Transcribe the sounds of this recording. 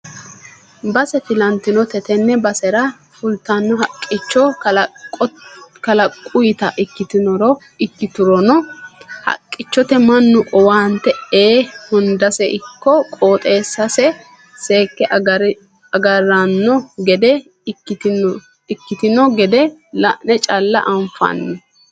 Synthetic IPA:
bɐsɛt̪ɪlɐnt̪ɪnɔt̪ɛt̪ɛnːɛbɐsɛɾɐ | fʊlt̪ːɐnːɔɦɐkʼːɪt͡ʃːɔ | kɐlɐkʼːʊjɪt̪ɐʔɪkːɪt̪ɪnɔɾɔ | ɪkːɪt̪ʊɾɔnɔhɐ̰kʼːɪt͡ʃːɔt̪ɛmɐnːʊʔɔwaːnt̪ɛeːhʊnd̪ɐsɛʔɪkːɔkʼoːt̪ʼe̞ːsːɐsɛ | se̞ːkːɛɾ | ɐɡɐrːanːɔɡɛd̪ɛ | ɪkːɪt̪ɪnɔɡɛd̪ɛlɐʔnɛt͡ʃʼɐlːɐ̰ʔɐɱfɐ̰nːɛ

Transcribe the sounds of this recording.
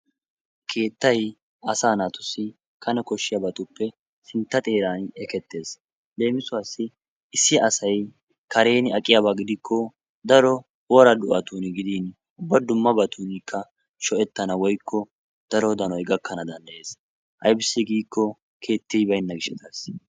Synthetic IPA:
kʰe̞ːt̪ːɐj | ɐsaːnaːt̪ʊsːɪ | kʰɐnɛkɔʃːɪjɐbɐt̪ʊpːɛ | sɪnt̪ːɐt̪ʼe̞ːɾaːnɛkɛt̪ːe̞ːs | le̞ːmɪsʊwaːsːɪ | ɪsːɪʔɐsɐj | kɐɾe̞ːnɪɐkʼːɪjabaɡɪd̪ɪkʰːɔ | d̪ɐɾɔ | oːɾɐd̪ʊʔɐt̪uːnɪɡɪd̪iːn | ʊbːɐd̪ʊmːɐbɐt̪uːnɪkʰːɐ | ʃɔʔɛt̪ːɐnɐwɔjkʰːɔ | d̪̥ɐɾɔd̪ɐnɔjɡɐkːɐnɐd̪ɐnd̪ɐʔje̞ːs | ʔɐ̰jbɪsːɪɡiːkʰːɔ | kʰe̞ːt̪ːɪjbɐjnːɐɡɪʃɛt̪ɐs

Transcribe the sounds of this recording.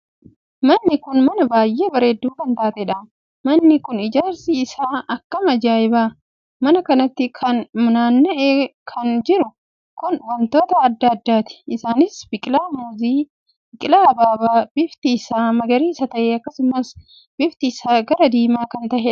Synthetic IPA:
mɐnːɪkʊnmɐnɐbaːjːeːbɐɾeːd̪ːuːkɐnt̪aːt̪ɛᶑɐ | mɐnːɪkʊnɪd͡ʒaːɾsiɪsaːɐkːɐmɐd͡ʒaːɪbaː | mɐnɐkɐnɐt̪ːɪkʰɐnmʊnaːnːɐʔeːkʰɐnd͡ʒɪɾʊ | kʊnwɐnt̪o̞ːt̪ɐːd̪ːɐd̪ːaːt̪ɪ̥ːsaːnɪsbɪkʼɪlaːmuːziː | bɪkʼɪlaːɐbaːbaːb̥ɪft̪ɪsaːmɐɡɐɾiːɪsɐt̪ɐʔeːɐkːɐsʊmɐs | b̥ɪft̪ɪːsaːɡɐɾɐd̪iːmaːkɐnt̪ɐʔɛᶑɐ

